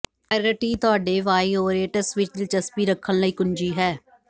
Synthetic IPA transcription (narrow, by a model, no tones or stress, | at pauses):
əɾəʈiːt̪ʊaːɖeːʋaːiːoːɾeːʈəsʋɪt͡ʃd̪ɪlt͡ʃəspiːɾəkʰːənləiːkʊɲd͡ʒiːɦɛː